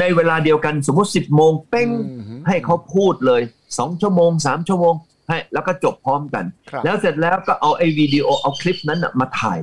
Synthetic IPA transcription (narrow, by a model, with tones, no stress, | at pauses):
na˧jweː˧laː˧di˧əwka˧ns̬o˩˦mu˦˥t̪̚si˨˩p̚moː˧ŋpe˥˩ŋha˥˩jkʰa˦˥wpʰuː˥˩t̪̚lɤː˧j | sɔː˩˦ŋt͡ɕʰu˥˩əmoː˧ŋsaː˩˦mt͡ɕʰu˥˩əmoː˧ŋ | ha˥˩jlɛː˦˥wkɔː˥˩t͡ɕo˨˩p̚ʰːɔː˦˥mka̰˧nlɛː˦˥wse˨˩t̪̚lɛː˦˥wkɔː˥˩ʔa˧wʔa˥˩jwiː˧diː˧ʔoː˧ʔa˧wkʰli˦˥p̚na˦˥nʔa̰˨˩maː˧t̪ʰa̰ː˨˩j